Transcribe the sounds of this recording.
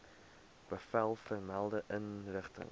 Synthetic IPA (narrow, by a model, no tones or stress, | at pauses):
b̥əfælˠfərmælˠdəʔənrəχtə̰ŋ